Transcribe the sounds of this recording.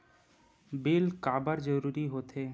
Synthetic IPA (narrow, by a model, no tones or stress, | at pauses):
bilkabəɾd͡ʒəɾuɾiɦot̪ʰe